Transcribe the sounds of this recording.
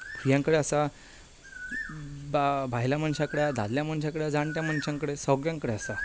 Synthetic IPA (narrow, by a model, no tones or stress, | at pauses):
ijãŋkəɽeasa | babʱajljaməɳɕãkəɽjad̪ʱa̰lljaməɳɕ̬jãkəɽjad͡zaɳʈ̪jaməɳɕãŋkəɽesəɡjãŋkəɽeasa